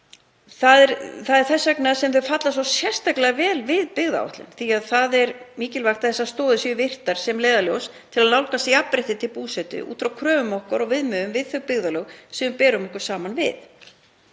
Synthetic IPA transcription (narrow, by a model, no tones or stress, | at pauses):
θaðɛɾθaðɛɾ̥θɛsːœknasɛmθʏfat̪lasvawsjɛr̥st̪aklɪavɛːlvɪðpɪɣða̰ɔ̰ht̪lɪ̰nθiaðθaðɛɾmiːcɪlvaxt̪aθɛsːast̪ɔːðʏsʏʏvɪr̥t̪aɾ̥sɛmleːjðaljowst̪ʰɪlaðnawlkasiapɾɪht̪ɪt̪ʰɪlpuːsɛt̪ʏ̰ʔṵːt̪fɾawkʰɾœːvʏmɔhkɔɾɔɣvɪðmœðʏmvɪðθœɣpɪɣðaloɣsɛʏmpɛːɾʏmɔhkʏɾ̥saːmanvɪ̰θ